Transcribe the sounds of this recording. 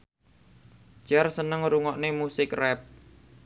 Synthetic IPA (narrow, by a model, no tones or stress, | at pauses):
d͡ʒ̥arsənəŋɾuŋɔʔnemusɪkrɛp̚